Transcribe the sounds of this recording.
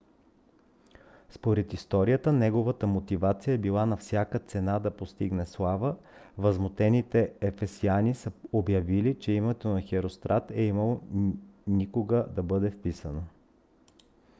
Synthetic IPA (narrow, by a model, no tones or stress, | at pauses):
spoɾɛt̪ist̪ɔɾiət̪ənɛɡovət̪əmot̪ivat̪sijəɛbilˠanɐfsʲjakət̪sɛnad̪ɐpost̪iɡnɛslˠavəvɐzmot̪ɛnit̪ɛɛfɛsianisəobjɐvilit͡ʃɛimɛt̪onɐxɛɾost̪ɾʔat̪ɛiməlˠo | nikoɡəd̪ɐbɤd̪ɛfpisənə